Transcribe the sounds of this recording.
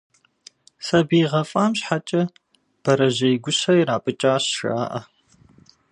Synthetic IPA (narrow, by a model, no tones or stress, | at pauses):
sɐbiːʁɐfʼaːmɕħat͡ʃʼɐ | b̥ɐɾɐʒɐjɡʷʊɕɐjɾaːpʼɨt͡ʃʼaːɕʂa̰ːʔɐ̰